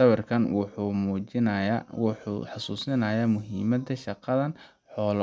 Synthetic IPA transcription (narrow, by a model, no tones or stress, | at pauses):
ɐβɐrkʰɐnwumuːɪwṵħɑsuːsɪnɐjaːmʊɦiːmɐd̪ɐʃɑqɐðɐn | ħɔːl